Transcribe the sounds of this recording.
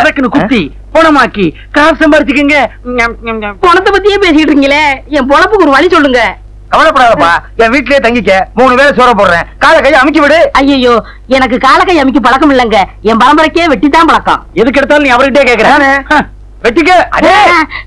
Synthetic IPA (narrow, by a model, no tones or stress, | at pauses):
ɐðɐkːɯnɯkʊt̪ːi | pɔɳɐmaːkːi | kaːɾsɐmbaːɾɪt͡ʃ̪ːɯk̬ːɯŋɡɐ | pɔnɐt̪ːɐpɐt̪ːɪjeːpeːs̬ɪkɪʈːɯɾŋɡɐleːɛmpɔɭɐpːɯkɔɾɯʋɐɭisɔlːɯŋɡɐ | kɐʋɐnɐpːɐɽaːðɐpːaːɛ̃ːʋiːʈːɪljeːt̪ɐŋɡɪk̬ːɐmuːnɯʋeːlɐsoːɾɐp̬oːɾɾẽːkaːlɐkːɐjɐmɪk̬ʲːɯʋɪɽɯɐjːɐjoː | ɛnɐk̬ːɯkaːlɐkːɐjɐmɪk̬ʲːɯp̬ɐɭɐkːɐmɪlːɐŋɡɐɛ̃mpɐɾɐmbɐɾɐkːeːʋɛʈːit̪ːãːpɐɭɐkːã̰ːɛðɯk̬ːɛɽɯt̪ːaːlnĩːɐʋɐɾɯkɪʈ̬ːjeːkeːk̬ːɐɾẽːãːne | ʋɛʈːɪk̬ːɐɐ̰ɽ